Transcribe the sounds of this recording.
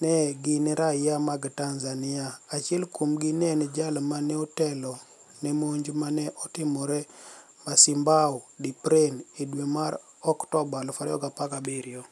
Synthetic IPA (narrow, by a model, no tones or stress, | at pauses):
nɛɡɪnɛɾajamaɡtanzanɪaːt͡ʃɪɛlkomɡinɛnɛd͡ʒalmanɛotɛlɔ | nɛmoɲd͡ʒmanɛʔɔtɪmoɾɛ | masimbaodipɾenedwemaɾ | ɔktɔbalɔfaɾɔɡapakabiɾiɔ